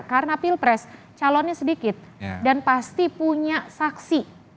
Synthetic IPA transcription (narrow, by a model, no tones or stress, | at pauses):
kaɾənapilpɾɛs | t͡ʃalɔnɲasədikɪt̪̚danpast̪ipuɲasaksi